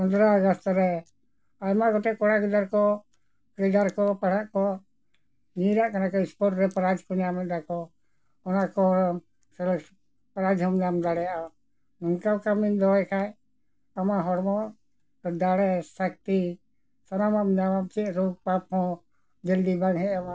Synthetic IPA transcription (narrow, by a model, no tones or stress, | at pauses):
pənd̪ɾaəɡɔst̪ɾɛ | ajmakɔt̪ɛkɔɽaɡid̪aɾkɔ | kid̪aɾkɔpaɽaʔkɔ | ɲiɾaʔkanakɔispɔʈɾɛpaɾad͡ʒkɔnɛjamɛt̪̚d̪akɔ | ɔnakɔɦɔɾɔm | sɛlɛ | paɾad͡ʒɦɔmd̪amd̪aɽɛjaa | nɛŋkawkamind̪ɔɔjkʰaj | amaɦɔɾmɔ | d̪aɽɛsak̚t̪i | sanamamd͡ʒamap̚t͡ʃɛʔɾuɡ̚pap̚hɔ̃ | d͡ʒɛld̪ibaŋɦɛama